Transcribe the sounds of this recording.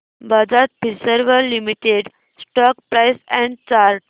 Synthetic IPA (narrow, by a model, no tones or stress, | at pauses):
bʱad͡zat̪̚piɾsəɾʋəɾlimiʈeɖ | sʈɔk̚pɾajsɛ̃ɳɖt͡ɕaɾʈ